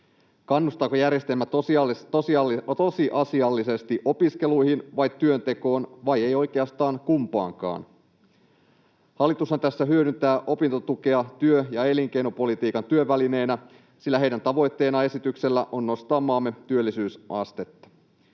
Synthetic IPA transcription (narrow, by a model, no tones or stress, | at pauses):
kɑnːust̪ɑːkojærje̞st̪e̞lmæt̪ost̪ost̪osiʔɑsiɑlːise̞st̪iʔo̞piske̞lujhinʋɑjt̪ːyø̞nt̪e̞ko̞ːnʋɑje̞jo̞jk̟eɑst̪ɑːŋkumpɑ̰ːŋkɑ̰ːn | hɑlːit̪ushɑnt̪æsːæɦyøɾynt̪æːʔo̞pint̪ot̪uke̞ɑt̪yøjɑe̞liŋk̟e̞jnopo̞lit̪iːkɑnt̪yøʋːæline̞ːnæ | silːæɦejdænt̪ɑʋo̞jt̪ːe̞ːnɑe̞sit̪ykse̞lːæʔo̞nːo̞st̪ɑːmːɑːmːe̞t̪yølːisyːsʔɑ̰st̪e̞t̪ːɑ̥